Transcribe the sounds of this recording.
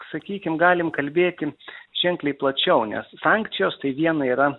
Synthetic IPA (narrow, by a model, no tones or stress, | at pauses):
sɐkʲiːkʲɪmɡɑːlʲɪmkɐlʲbʲeːt̪ʲɪʒʲɛŋklʲɛɪplˠɐt͡ʃʲɛʊnʲɛ̰ssɑːŋkt̪sʲɪjoːst̪ɐɪʋʲiɛnɐiːɾɐ